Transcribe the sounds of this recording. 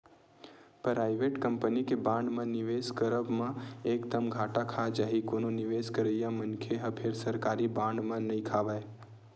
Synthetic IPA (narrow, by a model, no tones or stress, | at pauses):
pɾaːɪʋeʈkəmpənikebãːɳɖmãniʋeskəɾəbmãekd̪əmɡʱaːʈakʰad͡ʒaɦikononiʋeskəɾəjãmənkʰeɦəpʰeɾsəɾkaːɾibãɳɖmãnəĩkʰaʋae